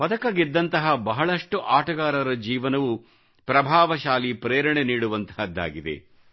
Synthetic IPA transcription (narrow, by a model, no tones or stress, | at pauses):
pɐd̪ɐkɐɡid̪ːɐnt̪ɐɦɐbɐɦɐɭɐʂʈuʔaːʈɐɡaːɾɐɾɐd͡ʒiːʋɐnɐʋu | pɾɐbʱaːʋɐʃaːlipɾeːɾɐɳeniːɽuʋɐnt̪ɐɦɐd̪ːa̰ːɡid̪ḛ